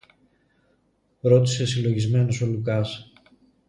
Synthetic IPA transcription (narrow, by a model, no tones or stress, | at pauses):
ɾo̞t̪i̥se̞silo̞ʝizme̞noso̞lukɐs